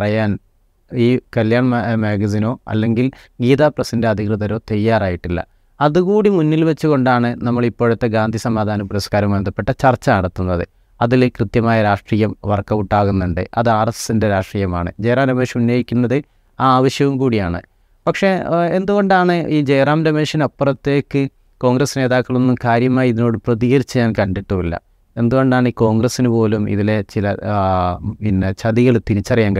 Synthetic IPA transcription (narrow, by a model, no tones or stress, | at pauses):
ɐrɐjaːn | iːkɐljaːɳmeːɡɐziːno̞ːɐ̰lːe̞ŋɡil | ɡiːðaːprɐsinde̞ɐd̪ʱikrɨðɐɾo̞ːt̪ɐjːaːraːjiʈːilːɐ̰ | ɐðuɣuːɽimunːilʋɐt͡ɕːuɣo̞ɳɖaːɳɨnɐmːɐɭipːoːɻut̪ːe̞ɡaːnd̪ʱisɐmaːd̪ʱaːnɐpuɾɐskaːɾɐmʋɐnd̪ɐpːe̞ʈːɐt͡ɕɐrt͡ɕːɐɐɽɐt̪ːunːɐðɨ | ɐðilkrɨt̪jɐmaːjɐɾaːʂʈriːjɐmʋɐrkːɐuʈːaːɣunːuɳɖɨ̰ʔɐðɨaːrɐst̪inde̞ɾaːʂʈriːjɐma̰ːɳɨ̰d͡ʑe̞jraːnɐbeːɕjɐmunːo̞ːjikʲːunːɐðɨ | aːʋɐɕjɐʋumkuːɽijaːɳɨ̰ | pɐkʂe̞e̞nd̪uɣo̞ɳɖaːɳɨʔiːd͡ʑejraːmdɐmeːʂɐnɐpːɐrɐt̪ːe̞ːkːɨ | ko̞ːŋɡrɐsne̞ːðaːkːɐɭo̞nːumkaːɾjɐmaːjiðino̞ːɽɨprɐðiːɣɐɾit͡ɕːɐɲaːnkɐɳɖiʈːuʋilːɐ̰ | e̞nd̪uɣo̞ɳɖaːɳiːko̞ːŋɡrɐsinɨpo̞ːlumḭðile̞t͡ɕilɐ | inːet͡ɕɐðiɣɐɭt̪init͡ɕːɐrijaːŋɡɐ